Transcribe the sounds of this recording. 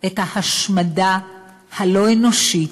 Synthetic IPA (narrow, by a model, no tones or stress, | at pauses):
ʔethahaʃmada | halo̞eno̞ʃit